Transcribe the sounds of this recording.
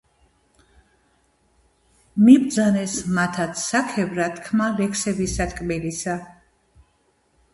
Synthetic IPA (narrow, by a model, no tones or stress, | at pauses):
mibd̪zanɛsmat̪ʰat̪sʰsakʰɛvɾat̪ʰkʰmalɛkʰsɛbisat̪ʼkʼmilisa